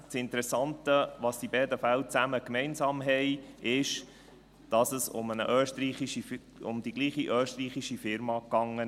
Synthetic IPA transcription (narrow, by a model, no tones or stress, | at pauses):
t͡sɪnt̪əɾɛsɑntəʋɑsd̥ibɛːdəfælt͡sæməkmɛɪnsɑːmɦɛɪɪʃ | d̥ɑsəsʊ̰mənə̰ʔøːʃtɾiːχiʃi | ʊ̰md̥̪iɡliːχiʔøːʃtriːχiʃifɪɾmɑkɑŋːə